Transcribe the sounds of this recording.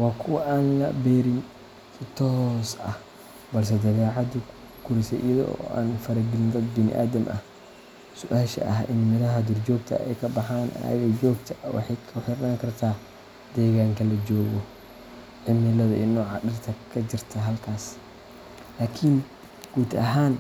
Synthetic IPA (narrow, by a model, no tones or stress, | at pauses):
wɑːkʰʊwɐʔaːnlɐ̰bɛːɾɪn | kɪt̪ʰɔsɐ̰h | bɐls̬ɛd̪ɐβɛːʕɑd̪ʊ | ɡ̥ʊɾɪsɛ̰ʔḭjɐðɔ̰ɔ̰ːʔa̰ːnfɐɾɐɡɪlɪnd̪ɐd̪bɪnɪ̰ʔa̰ːd̪ɐmʔɐ̰h | sʊʔaːʃɐ̰ʔɐɦɪ̰nmɪðɐɦɐd̪ʊrd͡ʒɔːɡ̚t̪ʰɐ̰ɛ̰jkʰɐbɑħaːnʔɐ̰ɐ̰ɣɐd͡ʒɔːɡt̪ʰɐwɑ̰ħɑjkʰʊħɪɾnaːŋkʰɐrt̪ʰaː | d̪̥ɛːɣaːŋkʰɐlɐd͡ʒɔːɣɔ | ʕɪmɪlɐðɐ̰ʔɪnːɔːʕɑɗɪrt̪ʰɐkʰɐd͡ʒɪrt̪ʰɐɦɐlkʰaːs | laːkʰɪn | ɡ̥uːd̪ɐɦaːn